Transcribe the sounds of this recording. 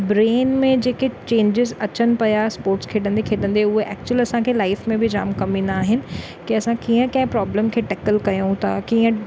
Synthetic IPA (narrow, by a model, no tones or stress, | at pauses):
bɾeːnmẽd͡ʑeːket͡ɕẽːɲd͡ʑɪzɐt͡ɕənɪ̆pɐjaspoːɾʈskʰeːɗə̃nd̪ekʰeːɗə̃nd̪eʊɦeʔɛ̰ːk̚t͡ɕuəlɐsãkʰeːlaːɪfmẽbɪd͡ʑa̰ːmkɐmĩːnd̪aːɦɪnɪ̆ | kiɐsãkiːə̃kɐ̃ɦɪ̃pɾɔːbləmkʰeːʈɛːkəlkɐjũt̪ʰa̰kiːə̃